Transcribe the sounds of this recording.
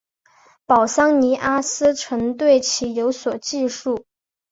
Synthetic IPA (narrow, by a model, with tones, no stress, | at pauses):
pɑ˨˩ʊsɑ˥ŋni˧˥ʔa˥sɹ̩˥ʈ͡ʂʰɤ˧˥ŋt̪we˥˩ɪt͡ɕʰi˧˥jo˧˥ʊswɔ˨˩t͡ɕi˥˧ʂu˥˩